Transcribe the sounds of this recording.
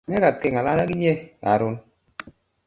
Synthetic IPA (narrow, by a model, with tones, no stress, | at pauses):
nɛ˦ka˨tɪ˨ŋa˨la˦na˦ki˦ɲe˦a˨ɾʊ˦n